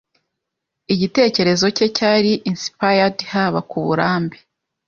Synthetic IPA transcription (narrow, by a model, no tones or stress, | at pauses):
iɟite̞ːce̞ɾe̞zo̞ce̞caɾiʔinsi̥pajadhaβakuβuɾaːmbe